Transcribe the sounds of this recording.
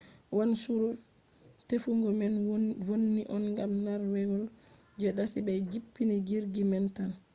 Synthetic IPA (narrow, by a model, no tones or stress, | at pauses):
wansuɾuf | tefuŋɡɔmɛnvonːiʔɔnŋɡamnaɾwɛwɔl | d͡ʒɛɗasibɛd͡ʒipːiniɡiɾɡimɛntan